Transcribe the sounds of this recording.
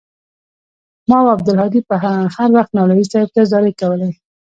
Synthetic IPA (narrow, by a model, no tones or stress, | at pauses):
mɑwab̚d̪əlhɑd̪ipəɦahaɾwaxt̪nɑloisɑjɪb̚kezɑɾekawəle